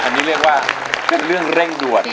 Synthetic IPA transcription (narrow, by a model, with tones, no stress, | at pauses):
a˨ni˦lɛ˦kwa˦ | pe˨n˦lɯ˦ə˨ŋrɛ˦ŋdu˨a˨